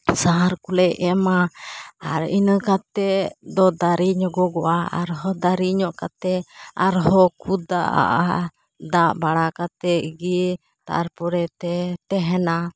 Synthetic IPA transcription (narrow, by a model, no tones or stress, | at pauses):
saɦaɾkulɛɛmaaɾinəkat̪ɛd̪ɔd̪aɾiɲɔɡɔɡɔʔaa̰ɾɦɔd̪aɾiɲɔʔkat̪ɛaɾɦɔkʰud̪a̰ʔa̰ʔa | d̪aʔbaɽakat̪ɛɡi | t̪a̰ɾpuɾɛt̪ɛt̪ɛɦɛna